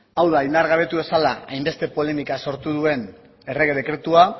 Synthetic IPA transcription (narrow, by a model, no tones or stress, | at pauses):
awðaind̪aɾɣaβ̞e̞t̪uβe̞salaajmbe̞st̪e̞po̞le̞mikaso̞ɾt̪uðue̞n | e̞re̞ɣeðe̞kɾe̞t̪ua